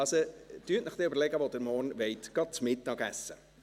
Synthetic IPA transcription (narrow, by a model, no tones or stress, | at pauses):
ɑsotyətnɪχt̪ɛʏbəɾlɛɡəʋod̥̪əɾmɔrnʋɛɪtɡ̥ɑt̚t͡smɪt̪ːɑɡæsːə